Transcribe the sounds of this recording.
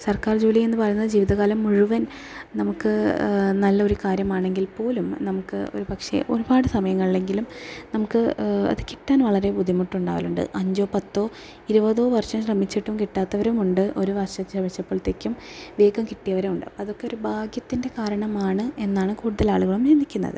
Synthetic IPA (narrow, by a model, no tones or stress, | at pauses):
sɐrkaːrd͡ʑuːlije̞nːɨpɐrɐjunːɐðɨd͡ʑiːʋiðɐɣaːlɐmːuɻuʋɐn | nɐmukːɨnɐlːɐo̞ɾukaːɾjɐmaːɳe̞ŋɡilpo̞ːlumnɐmukːɨ̰o̞̰ɾupɐkʂe̞̰ʔo̞̰ɾubaːɽɨsɐmɐjɐŋːɐɭiɭe̞ŋɡilumnɐmukːɨɐ̰ðɨki̥ʈːaːnʋɐɭɐɾe̞pud̪ʱimuʈːuɳɖaːʋɐluɳɖɨ̰ʔɐɲd͡ʑo̞ːpɐt̪ːo̞ː | iɾubɐðo̞ːʋɐrʂɐmɕrɐmːit͡ɕːiʈːumkiʈːaːt̪ːɐʋɐɾumuɳɖɨʔo̞ɾuʋɐrɕɐɕrɐmɐɕɐpːɐɭt̪ːekʲːumʋe̞ːɡɐmkiʈːijɐʋɐɾemuɳɖɨɐðo̞kːe̞o̞ɾubʱaːɡjɐt̪ːinde̞kaːɾɐɳɐmaːɳɨe̞nːaːɳɨkuːɽuðɐlaːɭuɣɐɭumt͡ɕemːikʲːunːɐ̰ðɨ̰